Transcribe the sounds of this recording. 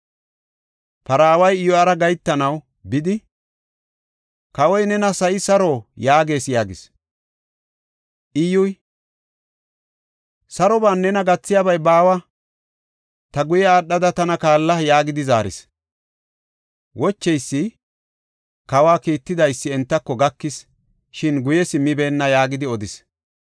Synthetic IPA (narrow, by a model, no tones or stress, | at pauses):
pɐɾaːwɐjɪjɔɐɾɐɡɐjt̪ːɐnɐw | bɪd̪ɪ | kɐwɔjnɛnɐsɐʔɪsɐɾoːjaːɡe̞ːsjaːɡɪ̰s | ʔɪjʊj | sɐɾɔbaːnːɛnɐɡɐt͡sːɪjabɐjbaːwɐ | t̪ɐɡʊjɛaːɗːɐd̪ɐt̪ɐnɐkaːlːɐjaːɡɪd̪ɪzaːɾɪ̰s | wɔt͡ʃːɛjsːɪ | kɐwaːkiːt̪ːɪd̪ɐjsːɪɛnt̪ːɐkːɔɡɐkːɪs | ʃɪnɡʊjɛsɪmɪbe̞ːnːɐjaːɡɪd̪ɪɔd̪ɪs